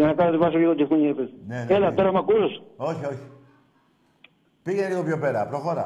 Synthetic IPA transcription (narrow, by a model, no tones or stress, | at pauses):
ʝɐnɐkɐnot̪ivɐs̬oiɣod͡ʑefuɲefeðneelɐt̪oɾɐmɐkusosoçioçi̥ | piʝeneliɣo̞pçopeɾɐpɾoxoɾɐ̰